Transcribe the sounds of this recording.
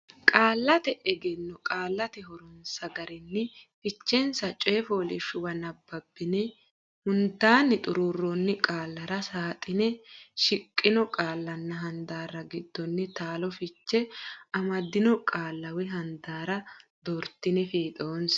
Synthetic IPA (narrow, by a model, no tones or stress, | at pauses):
kʼaːlːɐt̪ɛʔɛɡɛnːɔkʼaːlːɐt̪ɛɦɔɾʊnsɐɡɐɾɪnːɪfɪt͡ʃːɛnsɐt͡ʃʼɔɛfo̞ːlɪʃʊwɐnɐbːɐbːɪnɛ | hʊnt̪aːnːɪt̪ʼʊɾuːrːonːɪkʼaːlːɐɾɐsaːt̪ʼɪnɛʃɪkʼːɪnɔkʼaːlːɐnːɐɦɐnd̪aːɾɐɡɪd̪ːɔnːɪt̪aːlɔfɪt͡ʃːɛɐmɐd̪ɪnɔkʼaːlːɐwɪɦɐnd̪aːɾɐd̪ɔɾt̪ːɪnɛfiːt̪ʼoːns